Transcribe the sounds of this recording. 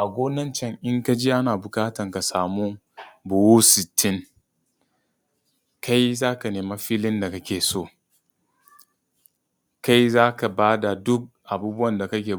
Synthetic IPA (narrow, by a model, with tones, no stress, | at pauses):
ʔa˨ɡʷoː˦nɐ˦nt͡ʃɛ˦ŋʔɪ˦ŋka˦d͡ʒi˦ʔa˦naː˨bʊ˨kaː˦tɐ˨ŋka˨saː˨muː˦ | bʊ˨wuː˦sɪ˨tʰːɪ˦ŋ | ka˦jzaː˦ka˨neː˨ma˦ɸiː˦lɪ˦nda˨ka˦kʲeː˨soː˦˨ | ka˦jzaː˦ka˨baː˦da˨dʊ˦k̚ʔa˨buː˦bʊ˦wɐ˨nda˨kɐ˦kʲeː˨